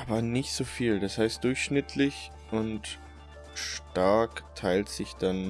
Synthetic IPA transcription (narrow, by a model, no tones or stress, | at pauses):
ʔaːbɐnɪçtz̥oːfiːldashaɪstd̥ʊɐçʃnɪtʰlɪç | ʔʊnt | ʃtaɐktʰaɪltz̥ɪçd̥an